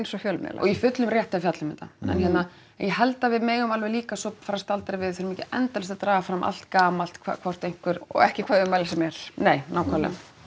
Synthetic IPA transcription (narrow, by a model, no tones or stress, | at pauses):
ejnsɔfjœːlmnɛ̰la̰ɔ̰ɣifʏt̪lʏmrjɛht̪afjat̪lɪmɪt̪a̰ɛ̰nçɛt̪na | jɛɦɛlt̪avɪðmeːjɣʏmalvɛliːkasɔpfaːɾast̪alt̪aɾɪvɪðθɪɾmiːcɪɛ̰nt̪alst̪at̪ɾaːɣafɾamʔa̰l̥t̪kaːmalt̪kʰva̰kʰvɔr̥t̪ejŋ̥kvʏɾɔ̰ɛhcɪkʰvaːðʏmajlɪsɛmɛɾ̥neːjnaːwkʰalɛ̰